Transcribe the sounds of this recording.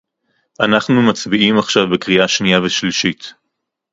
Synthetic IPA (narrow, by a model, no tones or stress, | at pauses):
ʔanaχnumat͡sbiʔimaχʃavbekʁiaʃniaveʃliʃit